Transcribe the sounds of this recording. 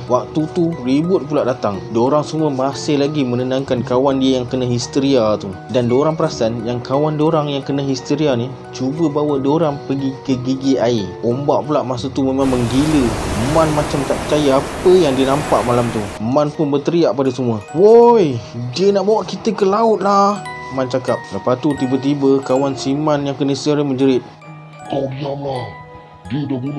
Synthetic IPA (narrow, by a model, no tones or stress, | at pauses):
wak̚t̪ut̪uribʊt̪̚pulaʔdat̪aŋdoɾaŋsəmuəmasɪhlaɡimə̃nənãŋkankawandiəjaŋkənaɦist̪əɾiat̪udandoɾaŋpəɾasanjaŋkawandoɾaŋjaŋkənaɦist̪əɾiani | t͡ʃubəbawadoɾaŋpəɡikəɡiɡiaiombaʔpulaʔmasət̪umemãŋməŋɡiləmãnmat͡ʃamt̪aʔpət͡ʃajaapəjaŋdiənampaʔmalamt̪umãnpʊnbət̪əɾiaʔpadasəmuəwojdiənaʔbawaʔkit̪əkəlaʊt̪̚lahəmant͡ʃakap̚ləpat̪ut̪ibat̪̬ibəkawansimanjaŋkənəhist̪eɾəməɲd͡ʒəɾɪt̪̚ | adiamlah | diədabul